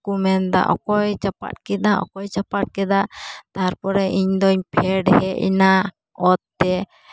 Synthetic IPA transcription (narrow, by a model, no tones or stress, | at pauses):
kumɛnd̪a̰ʔɔ̰kɔjt͡ʃapa̰t̚kɛd̪aʔɔ̰kɔjt͡ʃapaʈ̚kɛd̪at̪aɾpɔɾɛʔiɲd̪ɔɲpʰɛɖhɛʔḭna | ɔt̪̚ːɛ